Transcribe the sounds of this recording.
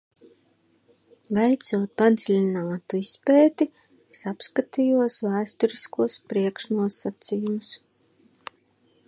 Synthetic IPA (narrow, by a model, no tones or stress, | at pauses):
vɛjt̪suɔt̪̚pad̪zilʲinaːt̪uispɛːt̪i | sapskat̪ijuɔsvæːst̪ɔɾiskuɔspɾiɛkʃnuɔsat̪sijumus